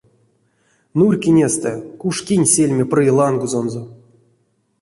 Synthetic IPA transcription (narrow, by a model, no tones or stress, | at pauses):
nurʲkʲinʲest̪ɛkuʂkʲinʲsʲelʲmʲeprɨlˠanɡuzonzo